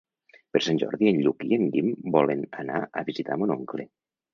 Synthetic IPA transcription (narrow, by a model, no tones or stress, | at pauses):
pəɾsanʲʒɔ̰ɾðienʎukienʎimbɔlenəna̰ə̰βizit̪amonoŋkle